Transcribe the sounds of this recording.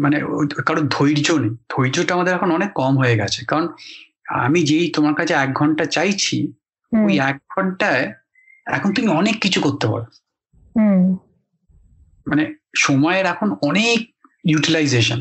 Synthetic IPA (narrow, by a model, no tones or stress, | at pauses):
maneo̰kaɾond̪ʱojɾd͡ʑoned̪ʱojɾd͡ʑoʈaamad̪eɾɛkʰonɔnekːɔmɦoeɡɛt͡ɕʰe̥kaɾon | a̰mid͡ʑejt̪omaɾkat͡ɕʰeɛk̚ɡʱɔɳʈat͡ɕajt͡ɕʰi | ojɛk̚ɡʱɔɳʈae | ɛ̰kʰont̪umiɔnekːit͡ɕʰukoɾt̪epa̰ɾo | maneʃɔmɔeɾɛkʰonɔnek̚ | juʈilajzeʃon